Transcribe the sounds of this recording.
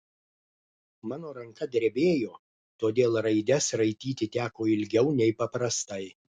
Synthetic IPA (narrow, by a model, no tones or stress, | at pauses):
mɑːnoːɾɐŋkɐd̪ʲɛɾʲbʲeːjoː | t̪oːd̪ʲeːlˠɾɐɪd̪ʲɛsɾɐɪt̪ʲiːt̪ʲɪt̪ʲæːkoːɪlʲɡʲɛʊnʲɛɪpɐpɾɐst̪ɐɪ